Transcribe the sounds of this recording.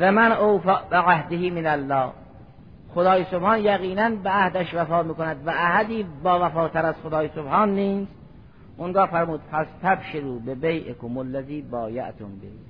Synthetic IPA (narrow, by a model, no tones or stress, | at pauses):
væmænʔowfaːbeʕahd̪ɪhiːmɪnælːɒː | xod̪ɒːjesobhɑːnjæɣiːnænbeʔahd̪æʃvæfɒːmiːkonæd̪væʔːhæd̪iːbɒːvæfɒːt̪ʰæɾæzxod̪ɒːjesobhɑːnːiːst̪ | ʔʊŋɡɒːfæɾmuːd̪̥fæst̪ʰæbʃeɾuːbebejʔekomolːæziːbɒːja̰ʔt̪ʰombḛ